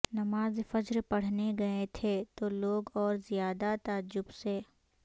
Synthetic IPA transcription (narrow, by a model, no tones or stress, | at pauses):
nɐmaːzfɐd͡ʒɾpɐɽ̤neɡɐet̪ʰet̪oloːɡɔːɾzijaːd̪at̪aːd͡ʒːʊbse